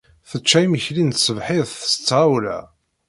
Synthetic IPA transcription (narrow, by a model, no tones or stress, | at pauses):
θət͡ʃːæjməçlint̪səvħɪðθə̥st͡sːʁawlæ̰